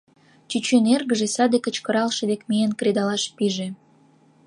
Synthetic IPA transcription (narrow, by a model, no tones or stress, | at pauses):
t͡ɕyt͡ɕenerɣə̆ʒesɑd̪ekə̆t͡ɕkə̆ɾɑlʃed̪ekmijenkɾed̪ɑlɑʃpiʒe